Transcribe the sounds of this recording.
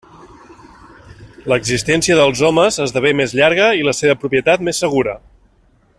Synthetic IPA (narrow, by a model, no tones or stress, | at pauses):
ləɡzist̪ɛnsiəðəlˠzɔməzəzðəβemezʎaɾɣ̞əiləseβəpɾupiət̪at̪mesːəɣ̞uɾə